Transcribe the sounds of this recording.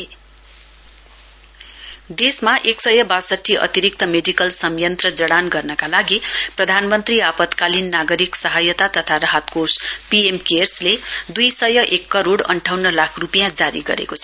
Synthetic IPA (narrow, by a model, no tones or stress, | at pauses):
d̪esmaʔeksʌjʌbasʌʈʰːiʔʌ̰t̪iɾik̚t̪ʌmeɖikʌlsʌmjʌnt̪rʌd͡zʌɽanɡʌrnʌkalaɡiprʌd̪ʱanmʌnt̪riapʌt̪kalinːaɡʌɾiksʌɦajʌt̪at̪ʌt̪ʰaɾʌɦat̪kospiemkersled̪ujsʌjʌʔekːʌɾoɽʌ̰ɳʈʰawnʌlakʰrupijãd͡zaɾḭɡʌ̰ɾḛkot͡sʰʌ